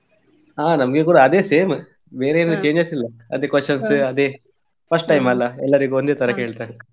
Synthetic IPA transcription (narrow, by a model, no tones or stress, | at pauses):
ɦaːnɐmɐɡekuːɽaɐd̪eːseːm | be̞ːɾeenːut͡ʃeːɲd͡ʒɐsilːɐɐd̪eːkʋɐʂɐnsɐd̪eː | pʰɐsʈʈɐjmɐlːɐɛ̰lːɐɾiɡuond̪eːt̪ɐɾɐke̞ːɭt̪aːɾe